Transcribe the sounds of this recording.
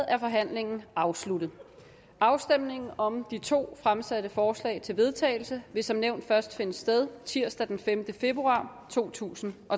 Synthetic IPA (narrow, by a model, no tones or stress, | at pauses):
æɐfɒ̽ɦæn̰le̝ŋn̩ɑ̈ʊslud̥ð̩ˠ | ɑ̈ʊsd̥em̰ne̝ŋn̩ɒ̽md̥it͡sʰo̝̰ːfʁamsæd̥əfɒːslɛ̰ɪt͡sʰe̝lʋe̝ð̞ˠt͡sʰɛ̰ːɪl̩səʋe̝sɒ̽mneʊ̰nd̥fɶɐsd̥fe̝nəsd̥eð̞ˠt͡sʰiɐ̰sd̥æd̥enfemd̥əfe̝b̥ʁuɑ̈ːt͡sʰo̝̰ːt͡sʰṵːsn̩ʔɒ̽